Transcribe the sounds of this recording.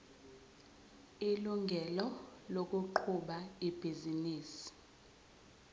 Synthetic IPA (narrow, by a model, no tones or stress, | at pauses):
iluŋɡʱɛlɔlok̬ʼuǃʰuɓaib̥ʱiziniːsi̥